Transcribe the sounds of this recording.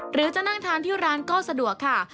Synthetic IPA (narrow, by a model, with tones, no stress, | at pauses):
ɾɯː˩˦t͡ɕa˨˩na˥˩ŋt̪ʰaː˧˥nt̪ʰiː˥˩ɾaː˦˥nkɔː˥˩sa˧du˨˩əkʰːa˥˩